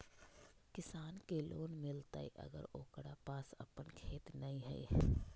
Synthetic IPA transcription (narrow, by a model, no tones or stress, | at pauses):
kɪsaːnkelʔoːnmɪlt̪a̰ːḭʔɐ̰ɡə̰ɾoːkɽapaːsɐ̰pənkʰeːt̪nɐɦĩɦɛ̰ḭ